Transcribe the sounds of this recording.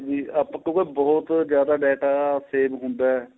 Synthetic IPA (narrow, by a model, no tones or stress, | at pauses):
d͡ʒiːəpːkõːkebɔːt̪d͡ʒjaːd̪aːɖɛːʈaːseːbɦʊnd̪aːɛː